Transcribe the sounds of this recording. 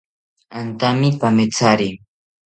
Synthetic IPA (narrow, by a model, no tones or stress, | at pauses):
ant̪amɪpamɪt͡saɾi